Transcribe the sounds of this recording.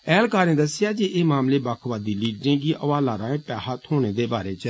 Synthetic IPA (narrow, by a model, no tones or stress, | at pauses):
ɛːlkaːɾẽːd̪əsːɪjaːd͡ʒeːeːmaːmleːbaːkʰʋaːd̪iːliːɖɾẽːɡiːʔəʋaːlaːɾãːẽːpɛːɦat̪hoːɽ̃eːd̪eːbaːɾeːt͡ʃə